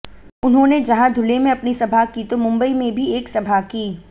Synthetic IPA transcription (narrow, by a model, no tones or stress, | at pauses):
ʊnɦõːned͡ʒɐɦãd̪ʱʊlemẽɐpnisɐbʱakit̪omʊ̃mbəimẽbʱieːksɐbʱakiː